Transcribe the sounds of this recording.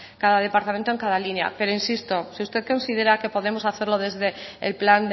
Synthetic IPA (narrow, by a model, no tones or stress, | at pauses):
kaðað̞e̞paɾt̪ament̪oe̞ŋkaðalinja̰peɾoinsist̪o̞siust̪e̞θko̞nsið̞eɾake̞po̞ðe̞mo̞saθe̞ɾlo̞ðe̞zðeḛlpland̪